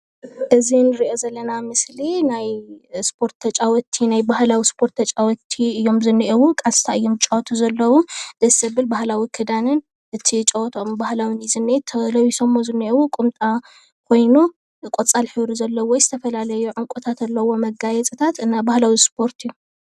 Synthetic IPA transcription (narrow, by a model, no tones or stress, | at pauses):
ʔɨzinɨɾiʔo̞zɐlːɐnamɨslinajspʰo̞ɾt̪ːʰɐt͡ʃʼawɔt̪ʰinajbahlawispʰo̞ɾt̪ʰːɐt͡ʃʼawɔt̪ʰːiɨjːo̞mzɨnːiʔɛwukʼasʼt̪ʰaɨjːo̞mt͡ʃʼɐwɔt̪ʰuzɐlːɐwud̪̥ɐsɐbɨlbahlawikʰɨd̪anɨn | ʔɨt̪ʰit͡ʃʼɐwɔt̪ʰombahlawinizɨnet̪ʰːɐlɐwisɐmːozɨnːiʔɛwukʼʊmt̪ʼa | kʰo̞jnu | kʼot͡sʼalħɨβɾuzɐlːɐwojzɨt̪ʰɐfɐlalɐjuʕɨŋkʷʼut̪ʰat̪alːɐwo̞mɐɡajɛt͡sʼɨt̪ʰat̪ɨnːabahlawispʰo̞ɾt̪ʰju